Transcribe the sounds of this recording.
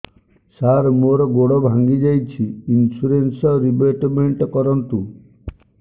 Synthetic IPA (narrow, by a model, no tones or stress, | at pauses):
saɾmoɾɔɡoɽɔbʱaŋɡid͡ʒajt͡ʃʰiinsuɾensɔɾibeʈmeɳʈɔkɔɾɔnt̪u